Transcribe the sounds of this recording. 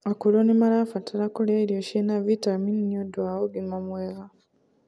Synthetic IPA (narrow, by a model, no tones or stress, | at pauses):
akulonimalafatʰalakoleɾijoʃinavitaminiodwaoɡimamweɣa